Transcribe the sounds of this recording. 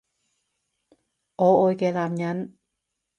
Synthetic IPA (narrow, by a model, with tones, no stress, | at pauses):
ʔoː˨˦ʔoː˧˨jkɛː˧˩laː˧˨mɲa˦˥n